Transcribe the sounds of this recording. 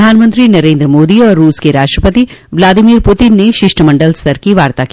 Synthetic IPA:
aːnmə̃nt̪ɾinɐɾẽːnd̪ɾəmoːd̪iɔːɾːuːskeɾaːʃʈɾəpət̪iʋlaːd̪imiːɾpʊt̪ɪnːeʃɪʃʈʰəmɐ̃ɳɖəlst̪ɐɾkiʋaːɾt̪aki

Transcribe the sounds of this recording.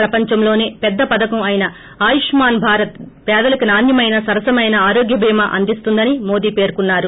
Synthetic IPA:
ɾɐpɐɲt͡ʃɐmlo̞ːne̞ːpɛd̪ːɐpɐd̪ɐkɐmɐjinɐ | aːjiʂmaːnbʱaːɾɐt̪pɛːd̪ɐlɐkinaːnjɐmɐjnɐsɐɾɐsɐmɐjnɐaːɾoːɡjɐbʱiːmɐʔɐ̰nd̪ist̪und̪ɐnimo̞ːd̪iːpe̞ːɾkunːaːɾu

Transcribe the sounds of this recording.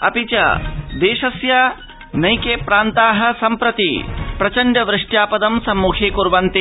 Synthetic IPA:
ɐ̰pit͡ʃɐ̰d̪eːʃɐsjɐ | nɐjkeːpɾaːnt̪aːɦɐ̆sɐmpɾɐt̪ḭpɾɐt͡ʃɐɳɖɐʋɾɪʂʈjaːpɐd̪ɐmsɐmːuːkʰeːkuɾʋant̪i

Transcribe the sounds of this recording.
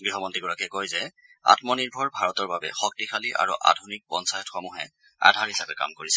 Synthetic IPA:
ɡɹiɦɔmɔntiɡɔɹakɛkɔjzɛ | a̰tmɔniɹbʱɔɹbʱaɹɔtɔɹbabɛ̰xɔk̚tixʰaliʔa̰ɹṵʔa̰dʱunik̚bɔnsajtxɔmuɦɛ̰ | a̰dʱaɹhisapɛka̰mkoɹisɛ

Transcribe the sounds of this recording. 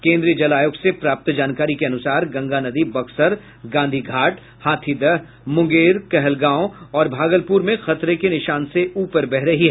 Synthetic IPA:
kẽːnd̪ɾijəd͡ʒɐlaːjʊksepɾaːp̚t̪d͡ʒaːnkaːɾikeɐnʊsaːɾɡɐ̃ŋɡanɐd̪ibɐksəɾ | ɡãːnd̪ʱiɡʱaːʈ | haːt̪ʰid̪ɐɦ | mʊ̃ŋɡeːɾkɛɦɛlɡãːõɔːɾbʱaːɡəlpuːɾmẽxɐt̪ɾekenɪʃaːnseʔuːpəɾbɛɦɾɐɦiɦɛ

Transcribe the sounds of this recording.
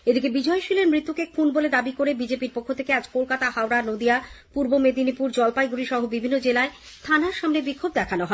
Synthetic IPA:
ed̪ikebid͡ʑɔeʃileɾmɾit̪ːukekʰunboled̪abikoɾebid͡ʑepiɾpokʰːot̪ʰe̥kead͡ʑkolkat̪ahawɾanod̪ijapuɾbomed̪inipuɾd͡ʑɔlpajɡuɾiʃɔɦobibʱinːod͡ʑelae | t̪ʰanaɾʃamnebikʰːob̚d̪ɛkʰanoɦɔe

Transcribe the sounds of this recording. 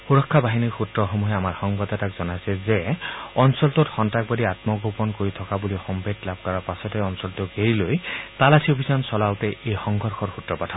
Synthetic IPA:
xuɹɔkʰːabaɦiniɹxutɹɔxomuɦɛamaɹxɔŋbad̪atakzɔnajsɛzeɔnsɔltotxɔntak̚badiat̪mɔɡopɔnkoɹit̪ʰɔkabulixɔmbedlab̚kɔɹaɹpasɔtɛɔnsɔlt̪oɡeɹilojt̪alasʰiobʱizansɔlawtɛejxɔŋɡʱɔɹxʰɔɹxutɹɔpatʰa

